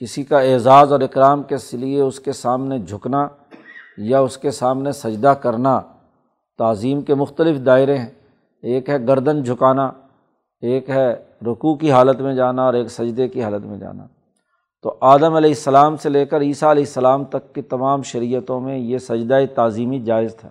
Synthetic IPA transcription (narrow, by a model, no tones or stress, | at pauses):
kɪsikaeːzaːzɔːɾɪkɾaːmkeslieʊskesaːmned͡ʒʱʊkna | jaʊskesaːmnesɐd͡ʒd̪akɐɾna | t̪aːziːmkemʊxt̪əlɪfd̪aːɪɾeɦɛ̃ | eːkɦɛɡɐɾd̪ənd͡ʒʱʊkaːna | eːkɦɛ | ɾʊkukiɦaːlət̪mẽd͡ʒaːnaɔːɾeːksɐd͡ʒd̪ekiɦaːlət̪mḛ̃d͡ʒa̰ːna̰ː | t̪oːʔaːd̪əmɐlɛːɪsːəlaːmseleːkəɾiːsaɐlɛːɪsːəlaːmt̪ɐkːit̪ɐmaːmʃɐɾijət̪õmẽjesɐd͡ʒd̪ait̪aːziːmid͡ʒaːɪzt̪ʰa̰ː